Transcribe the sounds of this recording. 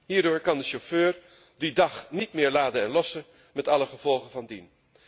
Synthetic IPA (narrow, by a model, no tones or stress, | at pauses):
ɦiːɹdʊːɹkɑndəʃoføːɹ | didɑχnitmɪːɹlaːdənɛnlɔsə | mɛtɑləχəv̥ɔlˠχəvɑndin